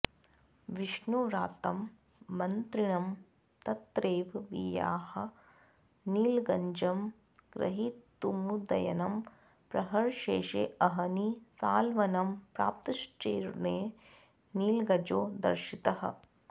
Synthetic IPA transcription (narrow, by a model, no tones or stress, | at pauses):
ʋiʂɳuɾaːt̪ɐmː | ɐnt̪ɾiɳɐm | t̪ɐt̪ːɾeːʋʋija̰ːhɐ | niːlɡɐɲd͡ʒɐm | ɡ̥ɾɐ̰ɦit̪ːumud̪ɐ̰jɐ̰nɐm | pɾɐɦɐɾʃeːʃḛːɐɦɐnisaːlʋɐnɐmpɾa̰ːp̚t̪ɐʃt͡ʃeːɾneː | niːlɡɐd͡ʒoːd̪ɐ̰ɾʃit̪ɐɦɐ̰